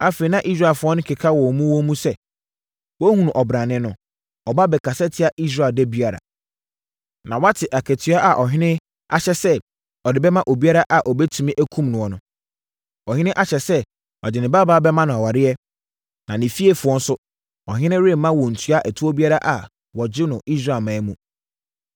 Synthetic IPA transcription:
a˦fe˨i˨nã˦ʔi˦s̬ɾa˨fʊ˨˦ɔ̃˦nʊ̃˦kʰɛ˨kʰa˦wɔ˨mũ˦wɔ˦mũ˦sɛ˦ | wɔ˦hũ˦ñ˨ʔɔ˨bɾã˨nɪ̃˦nʊ̃˨ | ɔ˨ba˦bɛ˨kʰa˨sɛ˦tʰɪ˨˦a˨ʔi˦s̬ɾaː˨ldɛ˦bi˦a˨ɾa̰˨ | nã˨wa˦tʰɪ˨ʔa˨kʰæ˨tʰɥa˦ʔa˨ʔɔ˨ɦɪ̃˦nɪ̃˦ | a̰˦ɕɛ˦sɛ˦ | ɔ˨dɪ˨˦bɛ˦mã˦ʔo˨bi˦a˦ɾa˦ʔa˨ʔɔ˨bɛ˦tʰũ˨mĩ˦ʔæ˦kʰũ˦mnʊ̃˨wɔ˨nʊ̃˨ | ɔ˨hɪ̃˦nɪ̃˦ʔa˦ɕɛ˨sɛ˦ | ɔ̰˨d͡ʑɪ˨nɪ̃˨baː˦baː˦bɛ˦mã˦nã˨ɔ˨wa˨ɾɪ˦ɛ˦ | nã˨nɪ̃˨fi˦e˨fʊ˨ɔ̃˦n̩˦sʊ˦ | ɔ˨ɦɪ̃˦nɪ̃˦ɾɪ̃˦˨mːã˦wɔ̃˨n̩˨tʰu˦a˦ʔæ˨tʰu˦ɔ˦bi˦a˦ɾa˦ʔa˨ | wɔ˨d͡ʑɪ˦nʊ̃˨ʔi˦s̬ɾa˦˨mã˨˦mũ˦˨

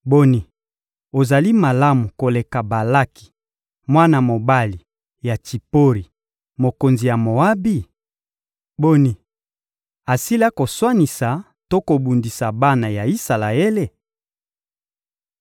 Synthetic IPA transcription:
bo˦ni˨ | o˨za˨li˦ma˨la˦mu˨ko˨le˨ka˨ba˨la˦ki̥˨ | mwa˦na˨mo˨ba˦li˨ | ja˨ti˨po˦ʁi˨ | mo˨ko˨nzi˨ja˨mo˨a˦bi˦ | bo˦ni˨ | a˨si˦la˦ko˨swa˦ni˨sa˨ | to˦ko˨bu˨ndi˨sa˨ba˦na˨ja˨i˦sa˨la˨e˦le˦

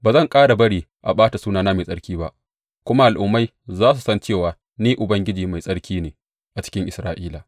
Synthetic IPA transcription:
baː˨zɐ˦˨ŋkʼaː˦ɽa˨bɐ˦ɽiː˨ | ʔa̰˨ɓaː˦ta˨suː˦naː˨naː˦ma˨sʼɐ˦ɽkʲiː˦ba˦ʔ | kʷʊ˦ma˦ʔa˨lʔʊ˨mːa˦j | zaː˦s̬u˨sɐ˦nt͡ʃeː˦˨waː˨ | niː˦ʔʊ˨bɐ˦ŋɡʲɪ˦d͡ʒiː˨ma˨jsʼɐ˦ɽkʲiː˦neː˨ | ʔa˨t͡ʃɪ̥˦kʲɪ˦ŋʔɪ˨sɾaː˦ʔiː˦laː˨

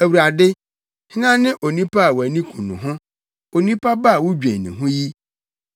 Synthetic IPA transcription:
æ˨wu˨ɾa˨dɪ˦ | hɪ˦nã˦nɪ̃˦ʔo˨nĩ˦pʰa˦a˨wæ˨nĩ˦kʰũ˨nʊ̰̃˨ɦʊ̃˦ | o˨nĩ˦pʰa˦ba˦a˨wʊ˦d͡ʑᶣɛ̃˨nɪ̃˨ɦʊ̃˦ji˦

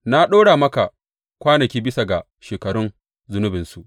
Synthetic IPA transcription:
na˦ɗoː˦ɽa˨mɐ˦ka˨ | kʷaː˦nɐ˨kʲiː˦bɪ˦sa˨ɡa˨ | ʃeː˨kɐ˨ɽʊ˦n | zʊ˦nʊ˦bɪ˨nsu˨ʔ

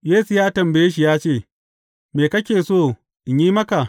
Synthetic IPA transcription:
jeː˦su˨jaː˦tɐ˨mbɐ˨jeː˦ʃi˨jaː˦t͡ʃeː˦˨ | meː˨kɐ˦kʲeː˨soː˦˨ | ʔɪ˨ɲjiː˦mɐ˦ka˨

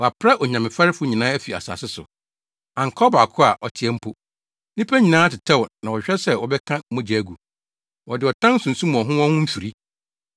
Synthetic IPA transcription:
wɔ˨a˨pʰɾɛ˦ʔɔ˨ɲ˨ã˨mɪ̃˨fa˦ɾɪ˦fʊ˦ɲĩ˨nãː˦æ˦fi˨a̰˨sa̰˨sɪ˦sʊ̰˨ | ã˨ŋ̩˨kʰɔ˦ba˨kʰʊ˦a˨ʔɔ˨tʰɪ˨ɛ˦m̩˦pʰo˦˨ | nĩ˦pʰæ˦ɲĩ˨nãː˦tʰɪ˨tʰɛ˦wɔ˨nã˨wɔ˨ɕᶣɛ˦sɛ˦wɔ˨bɛ˦kʰã˦mɔ̃˦d͡ʑæ˨æ˨ɡu˨ | wɔ˨dɪ˨ɔ˨tʰã˦n̩˦sʊ̃˨n̩˨sũ˦mũ˨ɔ̃˨ɦʊ̃˦wɔ̃˦hʊ̃˦m̩˦fi˨ɾi˦

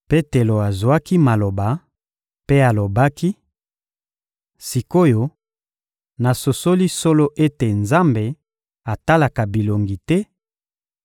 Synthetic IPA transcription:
pe˦te˨lo˨a˨zwa˦ki˦ma˨lo˨ba˨ | pe˦a˨lo˨ba˦ki˦ | si˨ko˦jo˨ | na˨so˨so˦li˦so˦lo˦ʔe˦te˨nza˦mbe˨ | a˨ta˦la˨ka˨bi˨lo˨ŋɡi˨tɛ˦

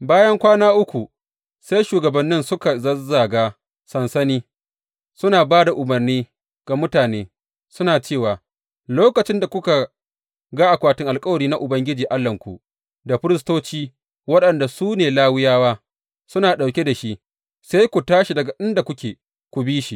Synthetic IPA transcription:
baː˦jɐ˦ŋkʷaː˦naː˦ʔʊ˦kʷu˨ | se˦jʃuː˨ɡɐ˨bɐ˨nːɪ˦nsʊ˦ka˨zɐ˦za˨ɡaː˦ | sɐ˨nsɐ˦niː˦ | sʊ˦naː˨baː˦da˨ʔʊ˨mɐ˨rniː˦ | ɡ̥a˨mʊ˦taː˨neː˦ | sʊ˦naː˨t͡ʃeː˦˨waː˨ | loː˦kɐ˨t͡ʃɪ˦nda˨kʷʊ˦ka˨ | ɡa˦ʔa˨kʷaː˦tɪ˦ŋʔa˨lkʼɐ˦wɐ˨ɾiː˦na˦ʔʊ˨bɐ˦ŋɡʲɪ˦d͡ʒiː˨ʔa˦lːɐ˨ŋkʷṵ˨ | da˨ɸɪ˦ɾɪ˦stoː˦t͡ʃiː˦ | wɐ˦ɗɐ˨nda˨suː˦neː˨laː˦wɪ˦jaː˦waː˦ | sʊ˦naː˨ɗa˨wkʲe˦da˨ʃi˦ʔ | se˦jkʷu˨taː˦ʃi˨dɐ˨ɡa˨ɗɪ˦nda˨kʷʊ˦kʲeː˨ | kʷu˨biː˦ʃi˨

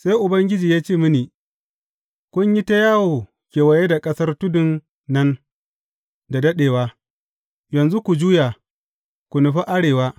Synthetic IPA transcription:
sa˦jʔʊ˨bɐ˦ŋɡʲɪ˦d͡ʒiː˨jaː˦t͡ʃeː˦˨mɪ˦niː˨ | kʷʊ˦ɲji˦ta˦jaː˦woː˨ | kʲeː˨wɐ˨je˦da˨kʼɐ˦sɐ˦rtʊ˦dʊ˨nː | ɐ˦n | da˨dɐ˦ɗeː˨waː˦ | jɐ˨nzu˦kʷu˨d͡ʒuː˦ja˨ | kʷu˨nʊ˨ɸa˦ʔa˦ɽeː˨waː˦

